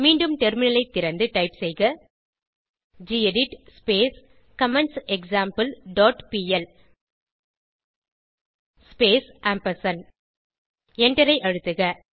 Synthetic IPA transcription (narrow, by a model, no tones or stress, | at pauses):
miːɳɖɯmtɛɾmɪnɐlɐɪt̪ːɪɾɐnd̪ɯʈɐɪpsɛjɣɐ | d͡ʒiːɛɖɪʈspeːs | kɐmɛɳsɛksaːmpɐlɖɔːʈpiːɛl | speːsʔaːmpɐsɐn | ɛɳɖɐɾɐɪʔɐɻɯt̪ːɯɣɐ